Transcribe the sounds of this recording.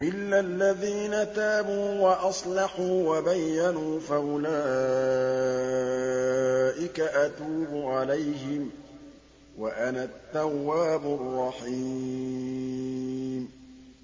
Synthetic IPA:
ʔɪlːalːaðiːnat̪aːbuːwaʔɑsˤlɑħuːwabajːanuːfaʔʊlaː | ʔɪkaʔat̪uːbʊʕalajɦɪm | waʔanat̪ːawːaːbʊrˤːɑħi | m

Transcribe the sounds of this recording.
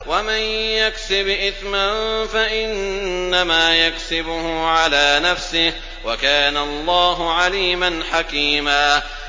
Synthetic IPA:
wamɪnjaksɪbʔɪθmanfaʔɪnːamaːjaksɪbʊhʊʕalaːnafsɪh | wakaːnaɑlˤːɑːɦʊʕaliːmanħakiːmaː

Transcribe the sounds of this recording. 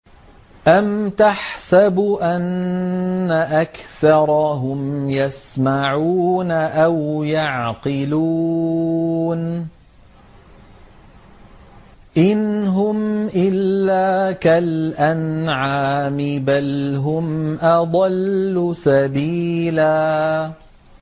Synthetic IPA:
ʔamt̪aħsabʔanː | aʔakθɑɾˤɦʊmjasmaʕuːnaʔawjɑʕqɨluː | n | ʔɪnɦʊmʔɪlːaːkalʔanʕaːmɪbalɦʊmʔɑd̪ˤɑlːʊsabiːlaː

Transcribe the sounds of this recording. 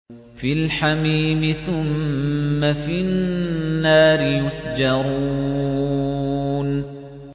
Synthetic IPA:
filħamiːmɪθʊmː | afinːaːɾɪjʊsd͡ʒɑɾˤuː | n

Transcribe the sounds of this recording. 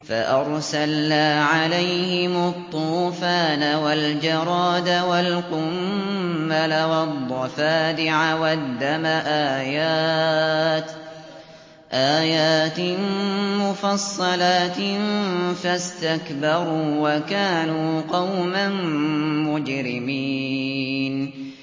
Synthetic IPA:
fa̰ʔɑɾˤsalːaːʕalajhɪmʊt̪ˤːuːfaːnawald͡ʒɑɾˤɑːd̪awalqʊmː | alawɑd̪ˤːɑfaːd̪ɪʕawad̪ːamaʔaːjaː | t̪ | ʔaːjaːt̪ɪmʊfɑsˤːɑlaːt̪ | fast̪akbɑɾˤuːwakaːnuːqɑwmanmʊd͡ʒɾɪmiː | n

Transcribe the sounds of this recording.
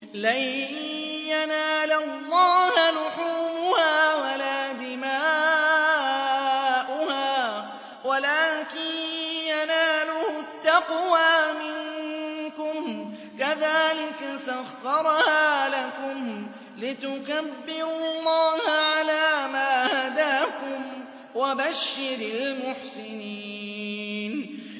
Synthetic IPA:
laj | janaːlalːɑːhalʊħuːbʊhaːwalaːd̪ɪmaː | ʔʊhaː | walaːkɪnjanaːlʊhʊt̪ːɑqwaːmɪŋkʊm | kaðaːlɪkasaɣːɑɾˤhaːlakʊm | lɪt̪ʊkabːɪɾʊlˤːɑːhʕalaːmaːhad̪aːkʊm | wabaʃːɪɾalmʊħsɪniː | n

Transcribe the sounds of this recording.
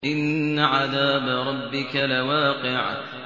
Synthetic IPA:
ʔɪnːaʕaðaːbaɾˤɑbːɪkalawaːqɪʕ

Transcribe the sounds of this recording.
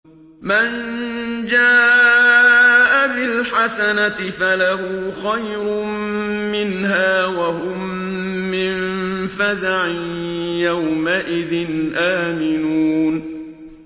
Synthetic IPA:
mand͡ʒaː | ʔabɪlħasanat̪ɪfalahʊxajɾʊ | mɪnɦaːwaɦʊmː | ɪnfazaʕɪjawmaʔɪðɪnʔaːmɪnuːn

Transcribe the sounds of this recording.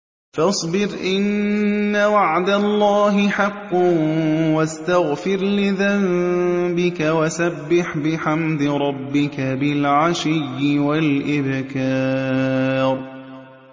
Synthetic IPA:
fɑsˤbɪɾʔɪnːawaʕd̪alˤːɑːɦɪħɑqːɑnwast̪aɣfɪɾlɪðambɪkawasabːɪħbɪħamd̪ɪɾˤɑbːɪkabɪlʕaʃɪjːɪwalʔɪbkɑː | ɾ

